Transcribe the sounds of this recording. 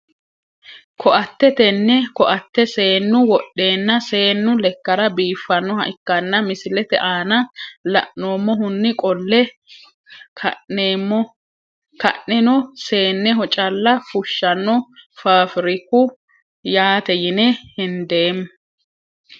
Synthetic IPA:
kʰɔʔɐt̪ːɛt̪ɛnːɛkɔʔɐt̪ːɛse̞ːnːʊwɔɗːe̞ːnːɐse̞ːnːʊlɛkːɐɾɐbiːfːɐnːɔhɐʔɪkːɐnːɐmɪsɪlɛt̪ɛʔaːnɐlɐ̰ʔno̞ːmːɔɦʊnːɪkʼɔlːɛ | eːɔ | kɐʔnɛnɔse̞ːnːɛɦɔt͡ʃʼɐlːɐfʊʃːɐnːɔfaːfɪɾɪkːʊ | jaːt̪ɛjɪnɛhɪnd̪eːm

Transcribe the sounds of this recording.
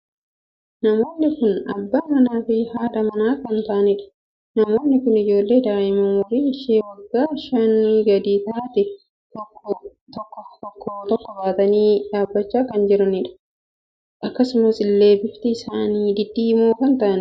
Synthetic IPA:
nɐmo̞ːnːɪkʊnɐ̰bːamɐnaːfɪhaːᶑ̪ɐmɐnaːkɐnt̪ɐʔɐnɪᶑɐ̥ | nɐmo̞ːnːɪkʊnɪd͡ʒo̞ːlːe̞ːd̪aːʔɪmɐmɐɾiːɪʃeːwɐɡːaːʃɐnːiːɡɐd̪iːt̪aːt̪ɪ | t̪ɔ | t̪ɔkːɔt̪ɔkʰːɔt̪ɔkːɔbaːt̪ɐniːd̪aːbːɐt͡ʃːaːkɐnd͡ʒɪɾɐnɪᶑɐ̥ | ʔɐkːɐsʊmɐsɪlːe̞ːbɪft̪ɪɪsaːniːd̪ɪd̪ːiːmoːkɐnt̪ɐʔɐn

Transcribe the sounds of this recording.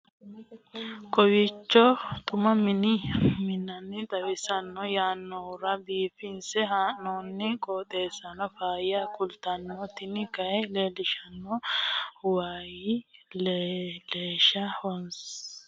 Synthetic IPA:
kʰɔwɪt͡ʃːɔt̪ʼʊmɐmɪnɪmɪnːɐnːɪt̪ʼɐwɪsɐnːɔjaːnːɔʊɾɐbiːfɪnsɛɦaːʔnonːɪkʼoːt̪ʼeːsɐnɔfaːjɐkʊlt̪ɐnːɔt̪ɪnɪkɐɛle̞ːlɪʃɐnːɔ | waːjɪlleːʃɐhɔns

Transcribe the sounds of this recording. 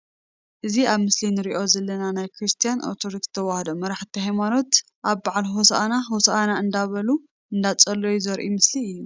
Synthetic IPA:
ʔɨziaβmɨslinɨɾiʔo̞zɐlːɐnanajkʰɾɨst̪ʰijano̰t̪ʰoɾikst̪ʰɐwahd̪o̞mɐɾaħt̪ʰiɦajmano̞t̪ | ʔaβbaʕalɦosaʔanaɦosaʔanaɨnd̪aβɐlu | ʔɨnd̪at͡sʼɐlːo̞juzɐɾʔimɨsliɨjːu

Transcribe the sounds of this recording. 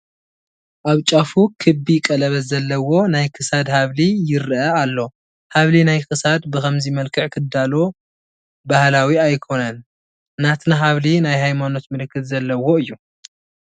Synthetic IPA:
ʔaβt͡ʃʼafukʰɨbikʼɐlɐβɐzɐlːɐwo̞najkʰɨsad̪haβlijɪɾʔɐalːo̞ | haβlinajkʰɨsad̪bɨkɐmzimɐlkʰɨʕkʰɨd̪alo | bahlawiajkʰo̞nɐnː | at̪naɦaβlinajhajmano̞t̪mɨlɨkːɨt̪zɐlːɐwo̞ɨjːu

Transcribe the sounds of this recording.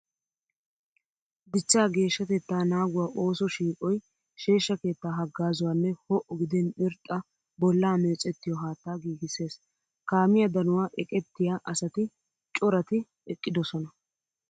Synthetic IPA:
d̪ɪt͡ʃːaːɡe̞ːʃːɐt̪ɛt̪ːaːnaːɡʊwaːʔo̞ːsɔʃiːkʼɔj | ʃe̞ːʃːɐke̞ːt̪ːaːɦɐɡːaːzʊwaːnːɛhɔʔɔɡɪd̪ɛnɪɾt̪ʼːɐ | bɔlːaːmeːt͡sʼːɛt̪ːɪjɔɦaːt̪ːaːɡiːɡɪse̞ːs | kaːmɪjɐd̪ɐnʊwaːʔɛkʼɛt̪ːɪjaːʔɐsɐt̪ɪ | t͡ʃʼɔɾɐt̪ɪ | ɛkʼːɪd̪ɔsɔnɐ

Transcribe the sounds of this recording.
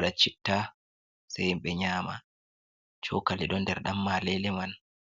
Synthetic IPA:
ɗat͡ʃitːa | sajɓɛɲaːma̰ | t͡ʃɔkaliɗɔndɛɾɗamːalɛlɛman

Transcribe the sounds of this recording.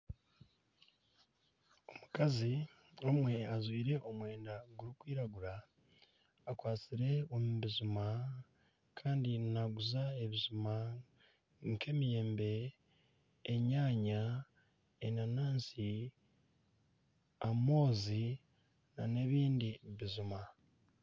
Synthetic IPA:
o̞mukazi | omwe̞azwiːɾe̞ʔo̞mwe̞ːndaɡuɾikwiːɾaɡuɾaː | kwaːt͡siɾe̞omuβizuma | kʰaːndinaɡuzae̞βizuma | ŋkʰe̞ːmije̞ːmbe̞ | ɲaːɲa | enanaːnsi | amo̞ːzi | nane̞βiːndiβizuma

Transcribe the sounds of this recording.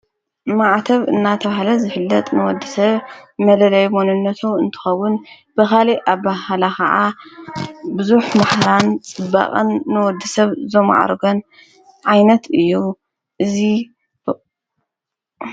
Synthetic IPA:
maʕt̪ʰɐβɨ̰nːat̪ʰɐβahlɐzɨfɨlːɐt̪ʼnɨwɔd̪ːɨsɐβmɐlɐlɐjmonɨnːɐt̪ʰoɨnt̪ʰɨ̥xɐwːʊn | b̥ɨkaliʔaβbahalakɐʕa | bɨzuħmaħɾant͡sʼɨbːa̰χʼɨnːɨwɔd̪ːɨsɐβzoma̰ʕa̰ɾɡon | ʕajnɐt̪ʰɨjːu | ʔɨzi

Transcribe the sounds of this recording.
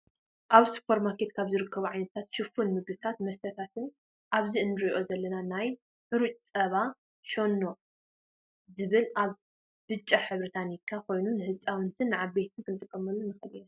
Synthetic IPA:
ʔaβsɨ̥pʰoɾmakʰe̞t̪kʰaβzɨɾɨkʰːɐβuʕajnɐt̪ʰat̪ʃɨfunmɨɡɨt̪ʰat̪mɐst̪ʰɐt̪ʰat̪ɨn | ʔaβziʔɨnɨɾijʔo̞zɐlːɐnanaj | ħɨɾut͡ʃʼt͡sʼɐβa | ʃonːo | zɨβɨlaβ | b̥ɨt͡ʃʼːaħɨβɾɨt̪ʰanikʰːakʰo̞jnunɨhɨt͡sʼawɨnt̪ʰɨnːɨʕae̞t̪ʰɨnkʰɨnt̪ʼɨkʼːɐmɐlunɨxɐlɨna

